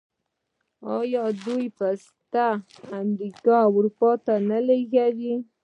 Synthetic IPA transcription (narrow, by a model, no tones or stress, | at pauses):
ɑjɑd̪ujpas | t̪aː | mɾikɑawɾupɑt̪analeɣawi